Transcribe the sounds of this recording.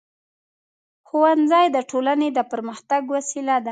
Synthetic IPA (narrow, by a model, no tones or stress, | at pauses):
xuwanzɑjd̪əʈʰolaned̪əpəɾməxt̪aɡwasilad̪a